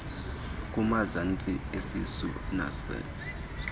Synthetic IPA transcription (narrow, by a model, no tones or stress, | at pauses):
kʼumazant͡sʼiesisṵna̰sɛ̰